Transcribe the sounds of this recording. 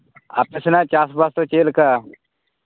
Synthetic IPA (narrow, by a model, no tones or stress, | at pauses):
a̰pesnat͡ʃaːsbaːst̪ot͡ʃeːlka